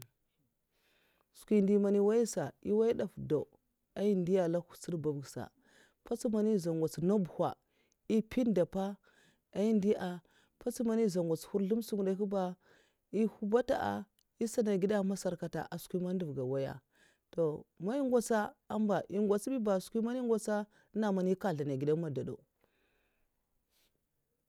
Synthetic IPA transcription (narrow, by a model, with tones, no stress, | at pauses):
skʷi˦ndi˦ma˨ni˦wa˦ji˦sa˨i˦wa˦i˦da˨fda˨ | a˦i˦ndi˦a˨la˦ku˨si˦ɾba˨bɡsa̰˨ | pa˦t͡si˦ma˨ni˦˨za˨ŋɡʷa˨t͡sno˦bu˨hʷa̰˨ | i˦pi˦nda˨pa˦ | a˨i˦ndi˦ʔa˨ | pa˦t͡si˦ma˨ni˦˨za˨ŋɡʷa˨t͡shu˦ɾɬu˦msu˦ŋ˨da˨˦u˦ba˦ | i˦hu˦ba˦ta̰˦ʔa̰˨ | i˦sa˦na˨ɡi˦da˦ma˦sa˨ɾka˨ta̰˨ʔa˨skʷi˦ma˦n˦du˨vɡa˨wa˦ja̰˦˨ | to˨ma˦i˦ŋɡʷa˦t͡sa˦a˦mba˨ʔi˦ŋɡʷa˨t͡si˦bi˦ba˨skʷi˦ma˦n˦i˦ŋɡʷa˦t͡sa˦ | na˨ma˨ni˦ka˦ɮa˨na˨ɡi˨da˦ma˨da˨do̰˨